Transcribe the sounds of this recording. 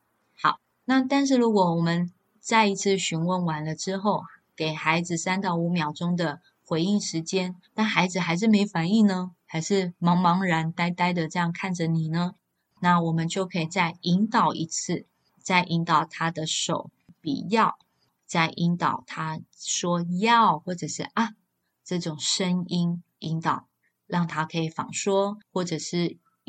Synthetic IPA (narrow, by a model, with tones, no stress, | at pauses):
xɑ˨˩ʊ | na˥˨t̪a˥˧nʂ̬ɻ̩˥˩lɻu˧˥kwɔ˨˦wɔ˨˩mə˨˦n | t͡sa˥˩ɪi˧˥t͡s̩ʰ˥˩ɕy˧˥nwə˥˩nwa˨˥nlə˧ʈ͡ʂɻ̩˥xo˥˩ʊke˨˩ɪxa˧˥ɪd͡z̩˨sa˥nt̪ɑ˥˩ʊu˧˥mjɑ˨˩ʊʈ͡ʂʊ˥ŋd̪ə˨ | xwe˧˥ɪi˥˩ŋʂɻ̩˧˥t͡ɕjɛ˥nt̪a˥˩nxa˧˥ɪd͡zɹ̩˨˩xa˧˥ɪʂ̬ɻ̩˥˩me˧˥ɪfa˨˦ni˥˩nə˦xa˧˥ɪʂɻ̩˥˩mɑ˧˥ŋmɑ˧˥ŋɻa˧˥nt̪a˥ɪt̪a˥ɪd̪ə˨ʈ͡ʂɤ˥˧jɑ˥˧ŋkʰa˥˩nd͡ʒə˨ni˨˩nə˦ | na˥˩wɔ˨˩mə˨˦nt͡ɕjo˥˩ʊkʰɤ˧˥i˨˩t͡sa˥˩ɪi˧˥ŋt̪ɑ˨˩ʊʔi˧˥t͡s̩ʰ˥˧ | t͡sa˥˩ɪʔi˧˥ŋt̪ɑ˨˩ʊt̪ʰa˥d̪ə˨ʂo˨˩ʊ | pḭ˨˩jɑ˥˩ʊ | t͡sa˥˩ɪʔi˧˥nt̪ɑ˨˩ʊt̪ʰa˥ʂwɔ˥jɑ˥˩ʊxwɔ˥˩ʈ͡ʂɤ˨˩ʂɻ̩˥˩ʔa˥˩ | ʈ͡ʂɤ˥˩ʈ͡ʂʊ˨˩ŋʂə˦˥ŋi˥n | i˧˥ŋt̪ɑ˨˩ʊ | ɻɑ˥˩ŋt̪ʰa˥kʰɤ˧˥i˨˩fɑ̰˨˩ŋʂwɔ˥xwɔ˥˩ʈ͡ʂɤ˨˩ʂɻ̩˥˩